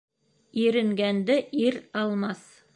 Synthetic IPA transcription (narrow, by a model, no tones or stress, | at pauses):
iɾɘ̆ŋɡænd̪ɘʔiɾɑlˠmɑs